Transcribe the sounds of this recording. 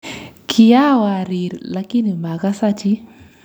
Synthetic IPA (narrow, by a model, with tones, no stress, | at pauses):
kʰija˦wa˨ɾi˨ɾlaki˦ni˨ma˨ka˦sa˦t͡ʃi˦